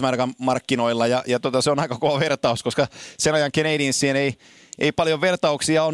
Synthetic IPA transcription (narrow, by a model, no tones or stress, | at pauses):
mɑrkɑmmɑrkːinoilːɑjɑjɑt̪ot̪ɑseonɑikɑkoʋɑʋert̪ɑuskoskɑsenɑjɑŋkeneidinsːienei | ʔḛipɑljoʋʋert̪ɑuksiɑon